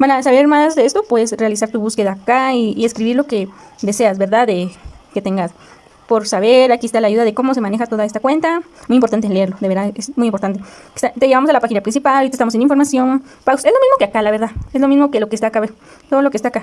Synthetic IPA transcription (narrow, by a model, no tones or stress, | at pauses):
banasaβe̞ɾmazðeest̪o̞pweðesre̞alisaɾt̪uβuske̞ðakaiːeskɾiβiɾlo̞ked̪e̞se̞azβe̞ɾðaðeket̪eŋɡas | poɾsaβeɾakiest̪alaːʝuðaðeko̞mo̞s̬e̞mane̞xat̪oðae̞st̪akwe̞nt̪amujimpoɾt̪ant̪eleeɾloðe̞βeɾðaesmujimpo̞ɾt̪ant̪eke̥st̪at̪eʝeβamosalapaxinapɾinsipaloɾit̪aest̪amos̬eniɱfo̞ɾmasjo̞n | pase̞zlo̞mizmo̞keakalaβeɾðaezlo̞mizmo̞kelokest̪akaβe | t̪o̞ðo̞lokest̪aka